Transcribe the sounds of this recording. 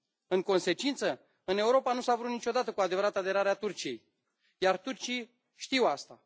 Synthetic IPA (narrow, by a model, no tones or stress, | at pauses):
ɨŋko̞nse̞t͡ʃint̪sə | ɨne̞uɾo̞panusavɾut̪nit͡ʃʲo̞d̪at̪əkuad̪e̞vəɾat̪əad̪e̞ɾaɾeat̪urt͡ʃije̞j | jart̪urt͡ʃij | ʃt̪iwast̪a